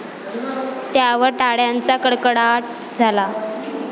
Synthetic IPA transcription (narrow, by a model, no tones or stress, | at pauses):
t̪jaʋəɾʈaɽjant͡sakəɽkəɽaʈ̚ | d͡zʱala